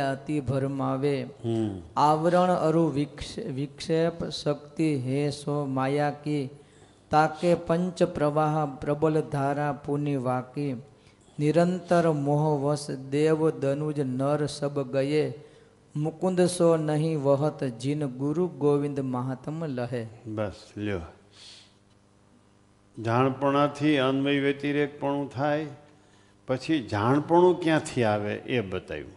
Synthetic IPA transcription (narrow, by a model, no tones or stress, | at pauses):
ət̪ibʱəɾmaʋe | aʋɾəɳ̃əɾuʋʋɪkʂepsəkt̪iɦesomaːjaki | t̪akepəɲt͡ʃpɾəʋaɦpɾəbəld̪ʱaːɾapuniʋaki | niɾənt̪əɾmoɦʋəsd̪eʋd̪ənud͡ʒnəɾsəbɡəje | mʊkʊ̃nd̪sonəɦĩʋəɦət̪d͡ʒinɡʊɾuɡoːʋɪ̃nd̪maɦat̪mləɦebəsljo | d͡ʒʱaɽ̃pəɳ̃ãt̪ʰiənʋəiʋet̪iɾek̚pəɳũt̪ʰaj | pət͡ʃʰid͡ʒʱaɳ̃pəɳ̃ũkjãt̪ʰiaʋḛʔebət̪a̰jṵ̃